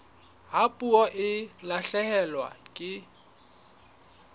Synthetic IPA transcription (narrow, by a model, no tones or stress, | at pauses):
ɦapʼuɔʔɪlaɬɛhɛlwa̰kʼɪ